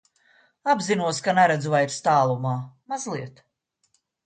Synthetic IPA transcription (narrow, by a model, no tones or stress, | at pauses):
abzinuɔskanɛɾɛd̪zuvajiɾst̪aːlˠumaːmazlˠiɛt̪